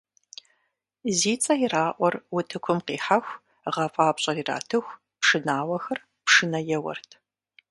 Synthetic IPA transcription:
ziːt͡sʼɐjɪraːʔʷɔrwʊtʰɨkʷʰʊmqiːħaxʷ | ʁɐfʼaːpɕʼɐrira̰ːtʰɨxʷ | pʂɨnaːwɐxɐr | pʂɨnɐjɛwɐ̰rtʰ

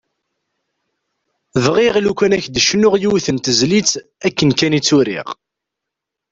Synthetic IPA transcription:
ðʁiʁlukʷænæçd̪əʃnʊʁjuwθənt̪əzlit͡sː | ækːənkænit͡sːuɾḭʁ

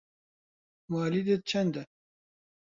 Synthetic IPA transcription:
mɑːlid̪ɨt͡ʃʰɛnd̪ɛ

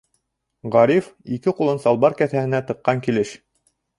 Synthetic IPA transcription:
ʁɑɾifikɘqulˠɤnsɑlˠbɑɾkæθæhɘ̆næt̪ɤ̆qːɑŋkilɘʃ

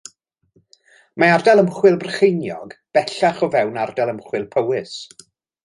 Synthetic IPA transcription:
maardɛlˠəmχwɪlˠbrəχejnjɔɡb̥ɛɬaχɔvɛwnardɛlˠəmχwɪlˠpʰəwɪs

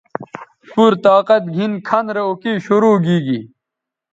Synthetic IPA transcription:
puɾt̪aːqɐt̪̚ɡʱinkʰɐnɾeokiɕuɾuːɡiːɡi

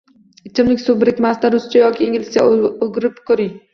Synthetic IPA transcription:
ɪt͡ʃʰɪmlɪkʲsobɪɾɪkʲmast̪aɾʊst͡ʃʰajɒkʲiiŋʲɪlɪ̥sʲa̰oɡʲɪɾɪpkʲʰɵɾɪŋ

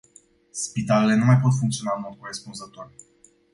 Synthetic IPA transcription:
spit̪ale̞le̞numajpo̞t̪fuŋkt̪sio̞naɨnmo̞d̪̚koɾespunzət̪oor

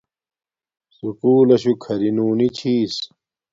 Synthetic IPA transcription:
sukuːlɐɕukʰɐɾinuːnit͡ɕʰiːs

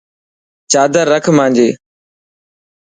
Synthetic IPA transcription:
t͡ʃaːd̪əɾːəkʰmãːɲd͡ʒeː

